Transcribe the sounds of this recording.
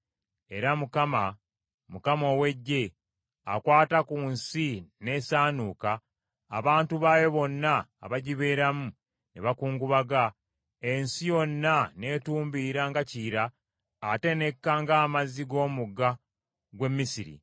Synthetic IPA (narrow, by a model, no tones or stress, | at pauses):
e̞ɾamukama | mukamo̞ːwe̞ɟːe̞ | a̰kwaːtakuːnsine̞saːnuka̰ː | βaːntuβaːjoβo̞nːa̰ːβaɟiβe̞ːɾamu | neβakuːŋɡuβaɡa | e̞nsijo̞nːane̞tuːmbiɾaŋɡaciːɾaː | te̞ne̞kːaŋɡaːmaziɡo̞ːmuɡa | ɡwe̞mːisiɾḭ